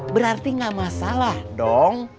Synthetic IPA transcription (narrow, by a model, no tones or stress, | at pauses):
bəɾart̪iŋɡaʔmasalahdɔŋ